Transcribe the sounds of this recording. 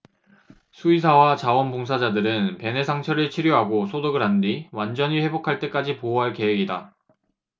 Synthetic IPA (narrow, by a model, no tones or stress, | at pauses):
sʰuisʰawat͡ɕawʌnpoŋs̬ʰad͡ʑadɯɾɯnpe̞ne̞sʰaŋt͡ɕʰʌɾɯɭt͡ɕʰiɾjoɦaɡosʰodɯɡɯɾɦandiwand͡ʑʌɲiɸe̞bokʰaɭt͈e̞k͈ad͡ʑipooɦaɭke̞weɡida̰